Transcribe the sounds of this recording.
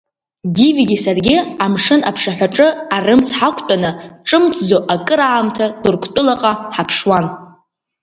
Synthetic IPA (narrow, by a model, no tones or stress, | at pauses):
ɡʲiviɡʲisarɡʲiɪamʂɨnapʰʂaħʷᶣaʈ͡ʂʼɨarɨmt͡sʰħakʷʰtʷʼanɨʈ͡ʂʼɨmt͡sʰʼd͡zoʔakʼɨɾaːmtʰadʊrkʷʰtʷʼʊlaqʼaħapʰʂwan